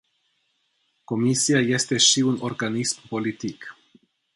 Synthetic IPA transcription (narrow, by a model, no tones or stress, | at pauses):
ko̞misiaje̞st̪e̞ʃiunorɡanismpo̞lit̪ik